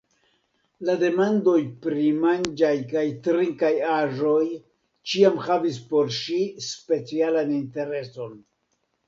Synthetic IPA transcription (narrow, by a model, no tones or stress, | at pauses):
lade̞mando̞jpɾimand͡ʒajkajtɾiŋkajaʒo̞j | t͡ʃiamhavis̬po̞ɾʃispe̞t͡sialaninte̞ɾe̞so̞n